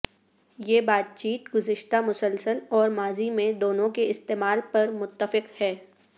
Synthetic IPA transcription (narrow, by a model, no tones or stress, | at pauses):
jeːbaːt̪̚t͡ʃiːt̪ɡʊzɪʃt̪amʊsəlsəlɔːɾmaːzimẽd̪oːnõkeɪst̪eːmaːlpɐɾmʊt̪ːəfɪqhɛː